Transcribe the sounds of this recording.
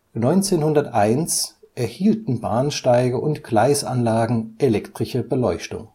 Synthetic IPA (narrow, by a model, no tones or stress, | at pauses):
nɔʏnt͡seːnhʊndɐtʔaɪns | ʔɛɐhiːltn̩baːnʃtaɪɡəʔʊntɡ̥laɪsʔa̰nlaːɡŋ̩ʔelɛktʁ̥ɪʃəbəlɔʏçtʊ̰ŋ